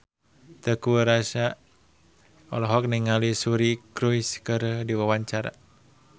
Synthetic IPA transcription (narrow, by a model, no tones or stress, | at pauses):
t̪əkuəɾasa | ɔ̰lɔɦɔk̚niŋalisuɾikɾuiskəɾədiwawaɲt͡ʃaɾa̰